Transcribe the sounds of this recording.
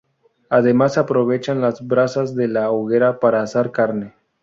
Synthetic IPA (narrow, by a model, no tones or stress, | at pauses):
aðe̞masapɾo̞βet͡ʃanlazbɾasazðe̞lawɣe̞ɾapaɾaːsaɾkaɾne